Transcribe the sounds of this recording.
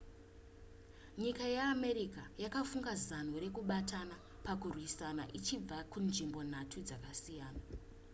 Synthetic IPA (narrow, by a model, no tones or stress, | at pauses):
ɲikajeame̞ɾikajakafuŋɡazan̤uɾe̞kuɓatana | pakurwisana̰ʔit͡ʃib͡vakunʐimbo̞n̤atʰud͡zakasijaːna